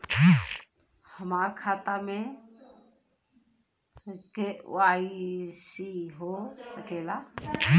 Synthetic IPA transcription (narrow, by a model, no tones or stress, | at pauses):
həmaːɾkʰaːt̪amẽ | keʊ̰aːisiɦoːsəkeːla